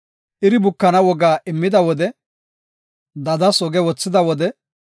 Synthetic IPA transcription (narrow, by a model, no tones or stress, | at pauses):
ʔɪɾɪbʊkːɐnɐwɔɡaːʔɪmːɪd̪ɐwɔd̪ɛ | d̪ɐd̪ɐsɔɡɛwɔt͡sːɪd̪ɐwɔd̪ɛ